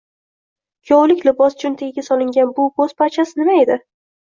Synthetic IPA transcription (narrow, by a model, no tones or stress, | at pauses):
kʲʰowlɪkʲlɪbɒst͡ʃʊnt̪ʰeɡʲasɒlˠɪŋɡʲanbʊboz̥pʰat͡ʃʰasɪnɪmaed̪ɪ